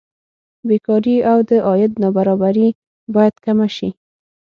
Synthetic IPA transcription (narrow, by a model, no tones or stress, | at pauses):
bekɑɾiawd̪əʔɑjɪd̪nɑbaɾɑbaɾi | bɑjad̪kamaʃi